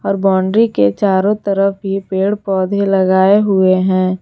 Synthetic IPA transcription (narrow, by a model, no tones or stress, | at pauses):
ɔːɾbɔːɳɖɾiket͡ʃaːɾõt̪əɾəfɦipeːɽpɔːd̪ʱelɐɡaːeɦʊeɦɛ̃ː